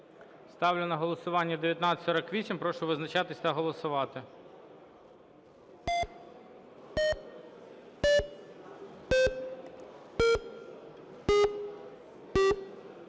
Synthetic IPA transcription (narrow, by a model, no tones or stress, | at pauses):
st̪ɑwlʲʊnɐɦɔlˠɔsʊʋɑnʲːɐd̪eʋʲjɐt̪nɑsʲɔɾɐkʋʲisʲimpɾɔʃʊʋɪznɐt͡ʃɑt̪ɪsʲt̪ɐɦɔlˠɔsʊʋɑt̪ɪ